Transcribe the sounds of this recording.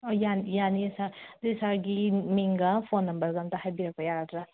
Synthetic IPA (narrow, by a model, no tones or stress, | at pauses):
ojanjaniɐsadisaɾɡimiŋɡapʰonːɐmbɐɾɡantɐhajbiɾɐk̚pɐjaɾadɾa